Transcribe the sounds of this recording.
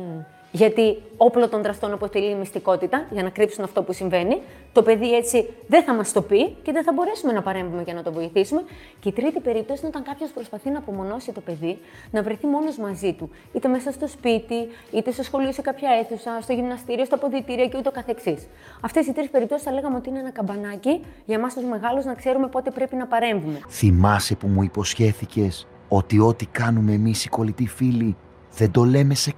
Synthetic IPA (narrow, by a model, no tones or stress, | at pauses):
ʝɐt̪io̞plot̪o̞nðɾɐst̪o̞nɐpo̞t̪eliːmist̪iko̞t̪it̪ɐʝɐnɐkɾipsunɐft̪o̞pusiɱve̞ni | t̪o̞pe̞ðie̞t͡siðeθɐmɐst̪o̞pice̞ðeθɐbo̞ɾe̞sume̞nɐpɐɾe̞ɱvume̞ʝɐnɐt̪o̞vo̞iθisume̞ | ce̞it̪ɾit̪ipe̞ɾip̚t̪osinot̪ɐŋkɐpço̞spɾo̞spɐθinɐːpo̞mo̞no̞sit̪o̞pe̞ði | nɐvɾe̞θimo̞no̞zmɐzit̪u | it̪e̞me̞sɐst̪o̞spit̪i | it̪e̞sɐsxo̞lisikɐpçɐe̞θusɐst̪oʝimnɐst̪iɾio̞st̪oɐpoðit̪iɾioceut̪eo̞kɐθe̞ksis | ɐft̪e̞sit̪ɾispe̞ɾip̚t̪oisθɐle̞ɣɐmeo̞t̪iineenɐkɐmbɐnɐciʝɐmɐst̪uzme̞ɣɐluznɐkse̞ɾume̞po̞t̪e̞pɾe̞pinɐpɐɾe̞ɱvume̞θimɐse̞pumuipo̞sçe̞θice̞s | o̞t̪io̞t̪ikɐnumeːmisiko̞lit̪ifili | ðend̪o̞le̞me̞se